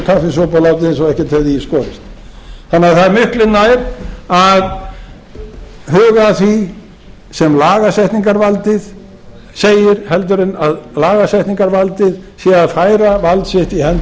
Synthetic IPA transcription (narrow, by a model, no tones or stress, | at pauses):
kʰafɪsɔwpawlawt̪ɪðnsawɛhcɛt̪hɛvðɪiskɔːɾɪst̪θanːɪaθaðɛɾmʏhklɪnːajɾað | hœːɣaθvi | sɛmlaːɣasɛjht̪niŋkaɾvalt̪ɪð̥ | seːjɪɾ̥hɛlt̪̬ʏɾɪnaðlaːɣasɛjht̪niŋkaɾvalt̪ɪðsjɛaðfaːjɾavalt̪sɪht̪ihɛn